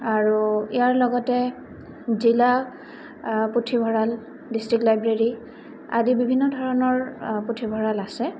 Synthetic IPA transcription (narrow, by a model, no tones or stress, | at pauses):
aɹuijaɹlɔɡɔtɛ | zila | putʰibʱɔɹal | distɹiktlajbɹeɹi | adibibʱinːɔdʱɔɹɔnɔɹputʰibʱɔɹalasɛ